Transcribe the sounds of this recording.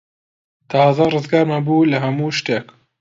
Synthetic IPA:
t̪ʰɑzarɨzɡaːɾmanbuːlɐɦɐmuːʃt̪eːk

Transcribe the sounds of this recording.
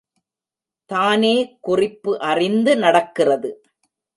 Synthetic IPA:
t̪aːneːkʊrɪpːɯʔɐrɪnd̪ɯnɐɽɐkːɪrɐðɯ

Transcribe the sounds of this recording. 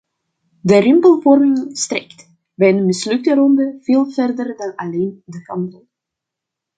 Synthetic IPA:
dəɾɪmpəlˠvɔrmɪŋstrɛ̰kt | bɛjdəmɪslʏk̚təɾɔndəv̥eːlˠvɛrdərdɑnɑleːndəkɑmtəlˠ

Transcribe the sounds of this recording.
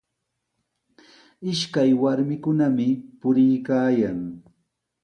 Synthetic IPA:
ɪʃkajwaɾmɪkʊnamɪpʊɾɪjkaːjaŋ

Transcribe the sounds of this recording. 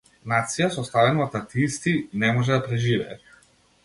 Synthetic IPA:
nat̪sijasɔst̪avɛnɔt̪at̪ist̪iinɛmɔʒɛd̪apɾɛʒivɛː

